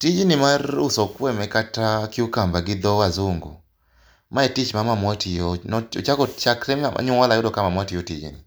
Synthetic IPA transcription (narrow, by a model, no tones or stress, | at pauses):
tid͡ʒinimarusɔkwɛmɛkatakiukambaɡɪd̪ɔwazuŋɡo̰ | maetit͡ʃmamamwɔtʰijɔnɔt͡ʃakɔt͡ʃakɾɛama̰ɲuŋwalaɔdɔkamamwatijɔtid͡ʒḭni